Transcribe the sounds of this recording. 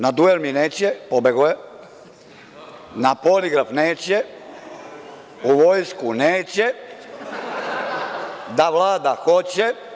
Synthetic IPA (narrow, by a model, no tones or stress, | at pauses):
nad̪uelmineːt͡ɕepobeɡuje | napoliɡɾafneːt͡ɕe | uʋojskuneːt͡ɕe | d̪aʋlˠaːd̪axo̞t͡ɕe